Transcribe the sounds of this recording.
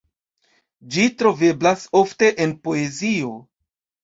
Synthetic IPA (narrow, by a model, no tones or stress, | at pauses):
d͡ʒitɾo̞ve̞blaso̞fte̞ʔenpo̞e̞zio̞